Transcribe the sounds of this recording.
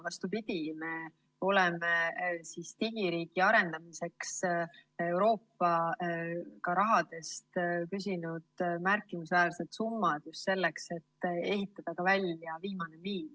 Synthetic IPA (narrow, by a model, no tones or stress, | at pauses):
vɑst̪upid̪̥ʲime̞ | o̞lɛmesist̪iɡ̥iɾiːɡ̥iɑɾe̞nd̪̥ɑmise̞kse̞wɾo̞ːpːɑ | kɑɾɑɦɑd̪̥e̞st̪kys̬ʲinud̪̥mærkˑːimisvæːlse̞t̪sumːɑd̪̥just̪se̞lːe̞kse̞t̪ːe̞ɦit̪ːˑɑd̪̥ɑkɑvælʲjɑviːmɑne̞miːl